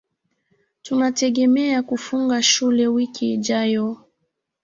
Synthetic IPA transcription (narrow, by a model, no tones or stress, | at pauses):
tunatɛɠɛmɛakufuŋɡaʃulɛwikiːʄajɔ